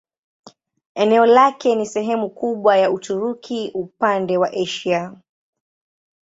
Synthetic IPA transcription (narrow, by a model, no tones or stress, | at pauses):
ɛnɛɔlakɛnisɛɦɛmukuɓwajautuɾukʰiʔupandɛwaʔɛʃia